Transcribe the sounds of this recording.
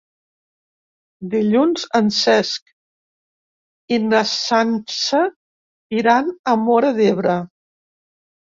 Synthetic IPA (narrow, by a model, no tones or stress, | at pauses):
d̪iʎunzənsɛsk | inəsansə | iɾanəmɔɾəðeβɾə